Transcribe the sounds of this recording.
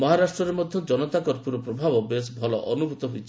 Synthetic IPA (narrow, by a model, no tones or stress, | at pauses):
mɔɦaɾasʈɾɔɾemɔd̪ʱjɔd͡ʒɔnɔt̪akɔɾpuɾɔpɾobʱabɔbesbʱɔlɔ̰ʔɔnubʱut̪ɔɦujt͡ʃʰi